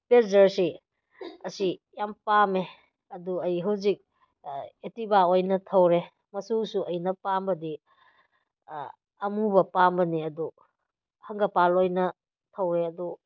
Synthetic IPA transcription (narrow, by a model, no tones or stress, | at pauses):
peɾzɐɾsi | ɐsijampame | ɐduɐjɦɐwzik̚ | etibaojnɐtʰɐwɾe | mɐsusuʔɐjnɐpambɐdi | ɐmubɐpambɐniɐdu | hɐŋɡɐpalojnɐ | tʰɐwɾeɐdu